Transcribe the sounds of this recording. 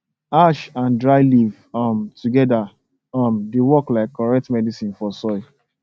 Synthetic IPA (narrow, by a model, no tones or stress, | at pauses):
aʃãndɹaɪliv | ɔmtuɡɛda | ɔmdewɔklaɪkːɔɹɛk̚tmɛdisĩnfɔsɔɪ